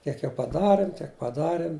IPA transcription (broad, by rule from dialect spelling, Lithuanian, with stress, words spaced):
ˈkʲiɛk jɛʊ pɐˈdɑːrʲɪm ˈtʲiɛk pɐˈdɑːrʲɪm